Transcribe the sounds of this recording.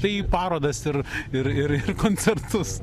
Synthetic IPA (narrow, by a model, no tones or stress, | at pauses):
t̪ɐɪipɑːɾoːd̪ɐsɪrɪɾɪɾɪrkoːnʲt͡sʲɛrt̪ʊs